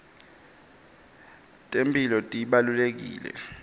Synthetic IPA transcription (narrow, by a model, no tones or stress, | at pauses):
tʼempʰʼilɔtʼiɓalulek̬ḭːlɛ̰